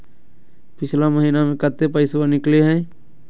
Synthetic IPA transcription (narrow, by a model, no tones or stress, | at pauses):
pɪt͡ʃʰlaməɦiːnamẽkət̪ːepəɪswanɪkleɦɛ̃ː